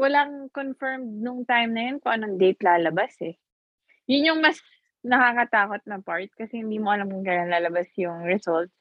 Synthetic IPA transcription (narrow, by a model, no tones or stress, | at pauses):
wɐlaŋkonfɛɹmd̪̚nʊŋt̪ajmnɐjo̞nkoʔɐnoŋd̪ejp̪laːlɐbasɛ | jʊnɲoŋmɐs | nɐkakɐt̪aːko̞t̪̚nɐpaɹt̪̚kɐsɛhɪnd̪iːmoʔɐlamkʊŋkaɐnlaːlɐbasjʊŋɹɛsolt̪̚s